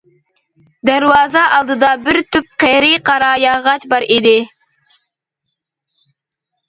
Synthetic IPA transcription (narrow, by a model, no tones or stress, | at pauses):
d̪æɾwɑːzɑʔɑlˠd̪ɨd̪ɑbɪɾt̪yp̚qʰɛɾiqʰɑɾɑːjɑʁɑt͡ʃbɑɾid̪ɪ